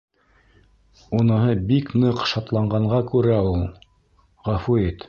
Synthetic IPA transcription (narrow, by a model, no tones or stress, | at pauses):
unɤ̆ɦɤbiknɤqʃɑt̪lˠɑɴɢɑɴɢɑkʉɾæulˠ | ʁɑfuit̪